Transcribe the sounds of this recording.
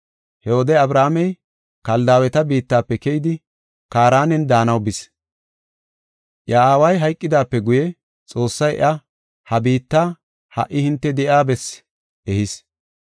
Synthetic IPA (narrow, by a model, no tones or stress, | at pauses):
hɛhod̪ɛɐbɾaːmɛj | kɐld̪aːwɛt̪ɐbiːt̪ːaːpːɛkɛjɪd̪ɪ | kaːɾaːnɛnd̪aːnɐwbɪs | ʔjaaːwɐjɦɐjkʼːɪd̪aːpːɛɡʊjɛ | t͡sʼo̞ːsːɐjɛ̰ʔɐ | hɐbiːt̪ːaː | hɐ̰ʔːɪhɪnt̪ːɛd̪ɛʔaːbɛs | ʔɛhɪs